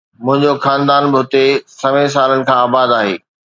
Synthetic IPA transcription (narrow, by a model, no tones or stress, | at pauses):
mʊ̃ɦɪ̃ɲd͡ʑoxaːnd̪aːnbɪɦʊt̪esɐʋẽs̬aːlənɪ̆kʰãaːbaːd̪aːɦeː